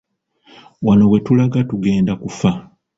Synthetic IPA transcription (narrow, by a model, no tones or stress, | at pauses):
wano̞we̞tulaɡatuɡe̞ːndakufa